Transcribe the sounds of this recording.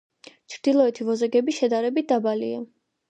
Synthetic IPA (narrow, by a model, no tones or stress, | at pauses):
t͡ʃʰɾd̪ilˠɔɛt̪ʰivɔzɛɡɛbiʃɛd̪aɾɛbit̪̚d̪abalḭa